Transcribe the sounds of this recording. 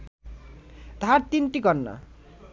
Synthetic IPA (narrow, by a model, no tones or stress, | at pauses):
d̪ʱaɾt̪inʈiɡʌnːa̰